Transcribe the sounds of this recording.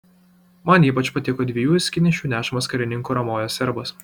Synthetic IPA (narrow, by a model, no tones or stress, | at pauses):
mɐniːpɐt͡ʃpɐt̪ʲɪkoːd̪ʲʋʲejuːsʲkʲɪnʲɪʃʲuːnʲæːʃɐmɐskɐɾʲɪnʲɪŋkuːɾɐmoːjoːsʲɛɾbɐs